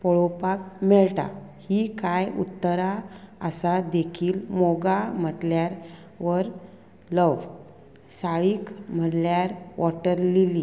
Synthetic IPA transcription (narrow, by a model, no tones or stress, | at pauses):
pɔɭopak̚meɭʈa̰hikajṵt̪ːəɾaəsad̪ekʰiːlmoɡam̤əʈljaɾ | ʋəɾ | ləʋ | saɭiːkm̤əɽljaɾʋʔɔʈəɾlili